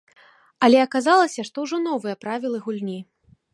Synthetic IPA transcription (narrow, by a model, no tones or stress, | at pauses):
ɐlʲɛɐkazalˠɐsʲɐʂt̪ɔwʐɔnɔvɨjɐpɾavʲilˠɨɣulʲnʲi